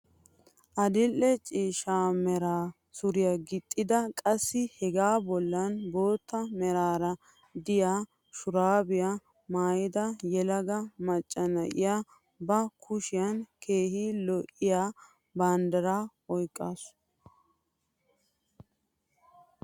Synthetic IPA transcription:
ʔɐd̪ɪlːɛt͡ʃʼiːʃaːmɛɾaː | sʊɾɪjɐɡɪt̪ʼːɪd̪ɐkʼɐsːɪhɛɡaːbɔlːɐnbo̞ːt̪ːɐmɛɾaːɾɐ | d̪ɪjaː | ʃʊɾaːbɪja | maːjɪd̪ɐjɛlɐɡɐmɐt͡ʃʼːɐnɐ̰ʔɪ̰jaː | bɐkʰʊʃɪjɐnkʰe̞ːhilɔʔːɪjaː | bɐnd̪ɐɾaː | ɔjkʼːaːsʊ̥

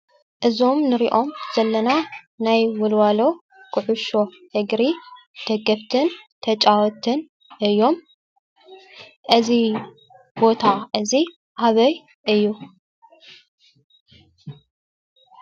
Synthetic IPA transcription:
ʔɨzo̞mnɨɾiʔomz̥ɐlːɐna | najwɔlwalo̞ | kʰɨʕuʃo̞ | hɨɡɾi | d̪̥ɐɡɐβt̪ʰɨnt̪ʰɐt͡ʃʼawɔt̪ʰɨn | ʔɨjːo̞m | ʔɨzi | bo̞t̪ʰaʔɨzi | ʔaβɐj | ʔɨjːu

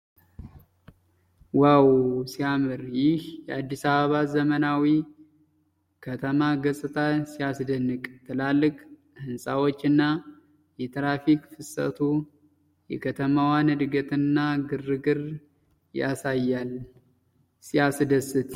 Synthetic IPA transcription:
wawsiamɨɾjɪhjɛad̪ːisaβəβazəmənawi | kʰət̪ʰəmaɡəsʼɨt̪ʰasijasd̪ənːɨkʼt̪ʰɨlalːɨkʼ | hɨnsʼawo̞t͡ʃːɨnːa | jɛt̪ʰɾafikfɨsə̰t̪ʰu | jɛ̰kʰət̪ʰəmawanɨd̪ɡət̪ɨnːaɡɨrːɨɡɨɾ | ja̰sajːal | siasd̪əsːɨt̪

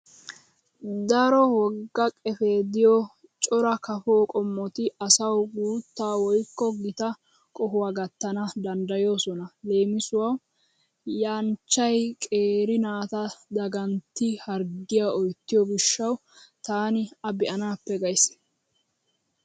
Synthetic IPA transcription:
d̪ɐɾɔwɔɡːɐkʼɛfeːd̪ɪjɔ | t͡ʃʼɔɾɐkɐfoːkʼɔmːɔt̪ɪɐsɐwɡuːt̪ːaːwɔjkːɔɡɪt̪ɐ | kʼɔɦʊwaɡɐt̪ːɐnɐd̪ɐnd̪ɐjo̞ːsɔnɐle̞ːmɪsʊwɐw | jaːnt͡ʃːɐjkʼe̞ːɾɪnaːt̪ɐd̪ɐɡɐnt̪ːɪhɐɾɡɪjaɔjt̪ːɪjɔɡɪʃːɐwt̪aːnɪɐbɪʔɐnaːpːɛɡɐjs

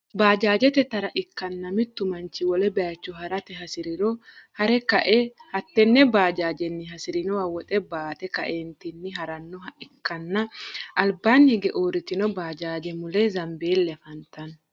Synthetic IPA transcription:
baːd͡ʒaːd͡ʒɛt̪ɛt̪ɐɾɐʔɪkːɐnːɐmɪt̪ːʊmɐnt͡ʃːɪwɔlɛbɛjɐt͡ʃːɔɦɐɾɐt̪ɛɦɐsɪɾɪɾɔhɐɾɛkɐʔɛhɐt̪ːɛnːɛbaːd͡ʒaːd͡ʒɛnːɪɦɐsɪɾɪnɔwɐwɔt̪ʼɛbaːt̪ɛkɐ̰ʔeːnt̪ɪnːɪɦɐɾɐnːɔhɐʔɪkːɐnːɐʔɐlbanhɪɡɛʔoːɾɪt̪ɪnɔbaːd͡ʒaːd͡ʒɛmʊlɛzɐmbe̞ːlːɛfɐnt̪ɐn

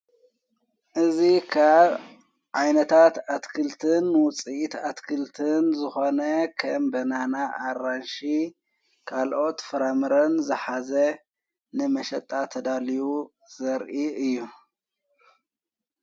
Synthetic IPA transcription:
ʔɨzikʰaβ | ʕajnɐt̪ʰat̪at̪kʰɨlt̪ʰɨnːwʊt͡sʼiʔit̪at̪kʰɨlt̪ʰɨnzɨxo̞nɐkʰɐmbɐnanaʔːɾanʃi | kʰalʔo̞t̪fɨɾamɨɾɐnzɨħazɐ | nɨmɐʃɐt̪ʼːat̪ʰːɐd̪aliwu | z̥ɐɾʔiɨjːu

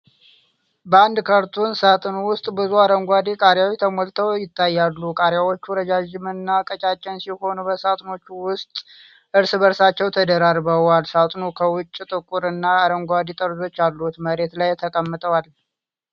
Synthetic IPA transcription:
bəand̪kʰəɾt̪ʰunsat̪ʼɨnuwʊst̪ʼbɨzuaɾəŋɡʷad̪ekʼaɾjawjt̪ʰəmolt̪ʰəwjɪt̪ʰːajːalːukʼaɾjawot͡ʃːuɾəd͡ʒad͡ʒɪmɨnːakʼət͡ʃʼat͡ʃʼːɛnsiho̞nubəsat̪ʼno̞t͡ʃːuwʊst̪ʼ | ʔɨɾsɨβəɾsat͡ʃːɛwt̪ʰəd̪əɾaɾβəwalsat̪ʼnukʰəwʊt͡ʃʼːit̪ʼɨkʼuɾɨnːaːɾəŋɡʷad̪it̪ʼəɾzo̞t͡ʃːalːut̪məɾe̞t̪lajt̪ʰəkʼəmːɨt̪ʼəwal

